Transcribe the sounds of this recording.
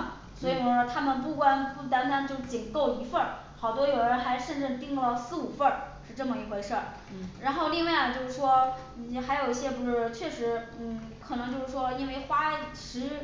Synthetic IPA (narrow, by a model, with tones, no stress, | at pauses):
swɔ˧˥i˨˩wɔ˧˩˥t̪ʰa˥mə˨npu˥˩kwa˥npu˥˩t̪a˧˥nt̪a˧˥nt͡ɕo˥˧ʂ̩˥˧t͡ɕi˨˩nko˥˩ʊi˧˥fə˥˩n | xɑ˨˩ʊt̪wɔ˥jo˨˩ʊɻə˧˥nxa˧˥ɪʂə˥˧nʈ͡ʂ̩˥˧t̪i˥ŋplɑ˥˧ʊsɹ̩˥˩u˨˩fə˥˧˩ʂɻ̩˥˧ʈ͡ʂɤ˥˩mə˨˩i˧˥kwe˥˧ʂə˥˩ | ɻa˧˥nxo˥˧ʊli˥˧ŋwa˥˩ɪnə˩t͡ɕjo˥˧ʊʂɻ̩˥˩ʂwɔ˥ | n̩˨˩xa˧˥ɪjo˨˩ʊi˥ɕjɛ˥pu˧˥ʂɻ̩˥˩t͡ɕʰɥɛ˥˩ʂɻ̩˧˥n̩˥˩kʰɤ˨˩nɤ˧˥ŋt͡ɕjʊʂɻ̩˥˩ʂwɔ˥i˥nwe˥˩ɪxwa˥˧ʂɻ̩˧˥